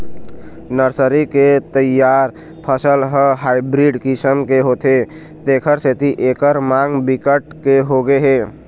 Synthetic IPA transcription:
nəɾsəɾiket̪əjaːɾ | pʰəsəlɦəɦaːɪbɾiɖkɪsəmkeɦoːt̪e | t̪eːkʰəɾset̪iʔeːkəɾmãːŋɡbɪkəʈkeɦoɡeɦeː

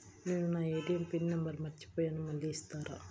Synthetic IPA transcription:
niːnunaːeːd̪ijɐmpinːɐmbɐɾmɐɾt͡ʃːi̥poːjaːnumɐlːiːst̪aːɾʔa̰ː

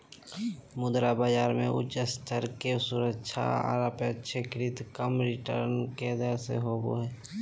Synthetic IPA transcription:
mʊd̪ɾabaːd͡ʒaːɾmẽʔʊ̰t͡ʃəst̪ʰəɾkesʊɾəkːʃʰa̰a̰ɾəpetːʃʰekɪɾɪt̪kəmɾɪʈə̰ɾnked̪əɾsḛɦoːbo̰ɦɛː

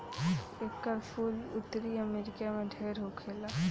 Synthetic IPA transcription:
eːkːəɾpʰuːlʊ̰t̪ːɾiəmeːɾɪkamẽɖʱeːɾɦokʰeːlaː

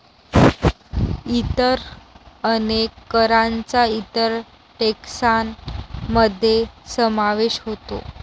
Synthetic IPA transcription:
it̪əɾənekːəɾant͡sait̪əɾ | ʈeksanməd̪ʱːjesəmaʋeɕɦot̪o̰

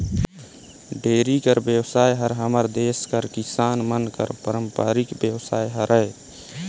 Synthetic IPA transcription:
ɖeːɾikəɾbjəwsaːjɦəɾɦəməɾd̪eːskəɾkɪsaːnmənkə̰ɾpəɾəmpaːɾɪkbjəwsaːjɦəɾəe

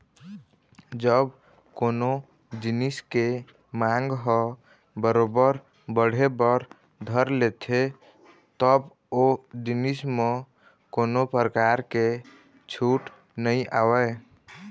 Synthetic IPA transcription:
d͡ʒəb | kono | d͡ʒiniske | mãŋɡɦɔ | bəɾobəɾ | bəɽ̤ebəɾ | d̪ʱəɾlet̪ʰe | t̪əb | od͡ʒinisme | koːnopɾəkaɾke | t͡ʃʰuʈ | nəiʔawə

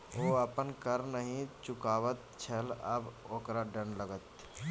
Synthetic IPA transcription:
oːəpənkəɾnəɦĩt͡ʃʊkaːʋət̪t͡ʃʰələboːkɾaɖə̃nləɡət̪

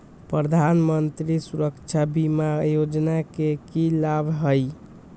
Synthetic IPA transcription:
pɾəd̪ʱanmənt̪ɾisuɾəkt͡ʃʰabimajod͡ʒnakekilabʱɦəj

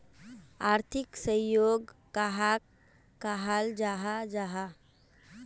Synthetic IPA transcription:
aːɾt̪ʰɪksəjoːɡkaɦakː | aɦald͡ʒaːɦad͡ʒaːɦa

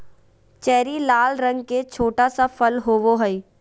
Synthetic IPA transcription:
t͡ʃɛːɾilaːlɾɐ̃ŋɡket͡ʃʰoːʈasapʰɐlɦoːʋoɦəi

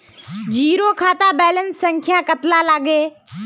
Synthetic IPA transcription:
d͡ʒiːɾoːkʰaːt̪aːbɛːlənsːə̃ŋkʰɪjãːkət̪laːlaːɠeː

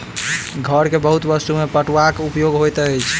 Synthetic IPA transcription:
ɡʱəɾkebəɦut̪bəst̪umepəʈʋakupjoɡɦojt̪əjt͡ʃʰ

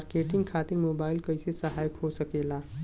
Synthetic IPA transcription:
ɾkeːʈɪ̃ŋɡkʰaːt̪ɪɾmoːbaːɪlkəɪsesəɦaːjəkɦosəkeːla

